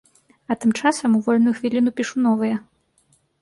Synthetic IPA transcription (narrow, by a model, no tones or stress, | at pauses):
ɐt̪ɨmt͡ʂasɐmuvɔlʲnujuxvʲilʲinupʲiʂunɔvɨjɐ